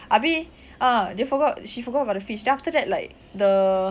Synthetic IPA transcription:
ʔabi | ʔadefɔɡɔtʃifɔɡɔtəbaʊdəfiʃdɛ̃aftədɛt̚laɪk̚ | də

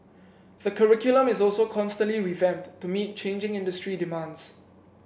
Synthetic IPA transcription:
ðəkʰəɹɪkjʊlə̃mɪsɔlsokʰɔ̃nstə̃nliɹivɛ̃mttːumit̚t͡ʃẽnd͡ʒɪ̃ŋɪ̃ndəstɹidɪmãnds

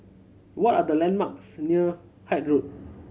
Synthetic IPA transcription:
wɔtadəlɛ̃nmaksniə | hajt̚ɹut̚

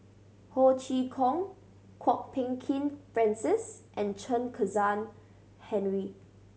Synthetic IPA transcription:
hot͡ʃikʰɔ̃ŋ | kʰwɔk̚pʰɛ̃ŋkʰĩnfɹɛ̃nsɪsʔɛ̃nt͡ʃʰə̃nkʰəzãn | hɛ̃nɹi

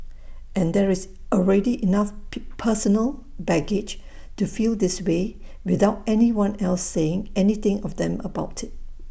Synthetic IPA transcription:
ʔɛ̃nd̪ɛɹɪs | ɔlɹɛdiʔinafpʰəsənəlˠbɛɡɪd͡ʒ | tufildɪswewɪðaʊtɛniwãnɛlsːeɪ̃ŋɛniθɪ̃ŋɔfd̪ɛ̃məbaʊtʰɪt̚

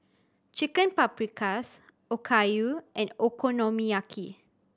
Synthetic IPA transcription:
t͡ʃikə̃npapɹikʰas | okʰajuʔɛ̃nokʰonɔmiakʰi

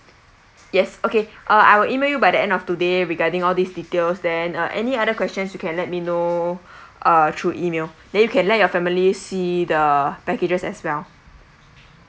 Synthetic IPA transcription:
jɛsokeʔʌa̰jwilʔimeljubajdəɛ̃ndɔftudeɹiɡadĩŋɔldisditelsdɛ̃nʌʔɛniadəkʰwɛstə̃nsjukʰɛ̃nlɛt̚mino | ʔʌtʰɹuʔimeldɛ̃njukʰɛ̃nlɛt̚jɔfɛmilisidəpɛked͡ʒəsɛswɛl

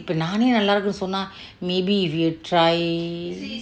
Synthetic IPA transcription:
pːɐnaːnenɐlːaːɾɯkːɯnɯsɔnːaː | meːbiʋiɐʈɾaːɪ

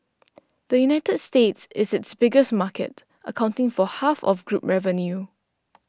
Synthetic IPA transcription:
d̪̥əjunaɪtədstetsɪsɪtsbɪɡəsmakə̰t | ʔəkʰãʊ̃ntɪ̃ŋfɔhafɔ̰fɡɹup̚ɹɛvənju

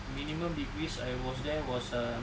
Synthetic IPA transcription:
mĩnĩmə̃mdikɹisajwɔsdɛwɔsə

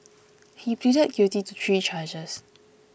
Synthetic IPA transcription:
hipʰidət̚ɡ̥jutitutʰɹit͡ʃad͡ʒəs

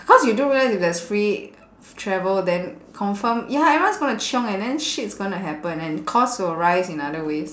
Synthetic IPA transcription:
bɔkɔsjudũɹilaɪsifdɛsfɹi | tʰɹɛvəldɛ̃nkʰɔ̃ɱfəmjaawãnsɡõnut͡ʃɔ̃ŋɛ̃ndɛ̃nʃitsɡõĩntuɦɛpə̃nɛ̃nkʰɔstuəɹaɪsĩnadəwes

